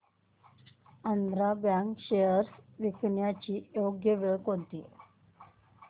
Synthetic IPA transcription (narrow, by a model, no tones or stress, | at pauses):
ənd̪ɾabjaŋkɕejəɾsʋikɳjat͡ɕiːjoɡjəʋeɭkɦont̪ḭ